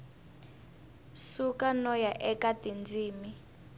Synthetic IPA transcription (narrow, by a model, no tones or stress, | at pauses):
sukanɔjaʔɛkatind͡ziːmi